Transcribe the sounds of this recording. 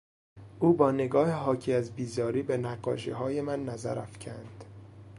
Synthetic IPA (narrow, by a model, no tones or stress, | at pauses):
ʔuːbɒːne̞ɡɒːheɦɒːcʰiːæzbiːzɒːɾiːbe̞næɢɒ̰ːʃeɦɒːjemænːæzæ̰ɾæfcʰænd̪̥